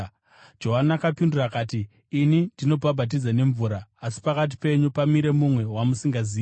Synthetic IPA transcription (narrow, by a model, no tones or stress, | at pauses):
d͡ʒo̞ɦanakapindurakaːtiː | nindino̞bʱabʱat̬id͡zane̞ɱvuɾaːsi̥pakat̬i̥pe̞ɲupamiɾe̞mumwe̞wamusiŋɡaziː